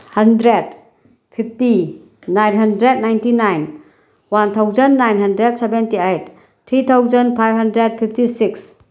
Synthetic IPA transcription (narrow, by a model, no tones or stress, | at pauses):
hɐndɾed | pʰip̚ʰti | najnɦɐndɾed̚najntinajn | want̪ʰawzənːajnɦɐndɾed̚sɛbentiejt̚ʰː | ɾit̪ʰawzənpʰajb̚ɦɐndɾed̚pʰip̚ʰtisiks